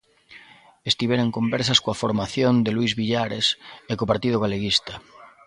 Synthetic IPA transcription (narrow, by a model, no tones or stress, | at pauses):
est̪iβeɾeŋkombɛɾsaskoafoɾmaθjond̪eluizβiʎaɾesekopaɾt̪iðoɣaleɣist̪a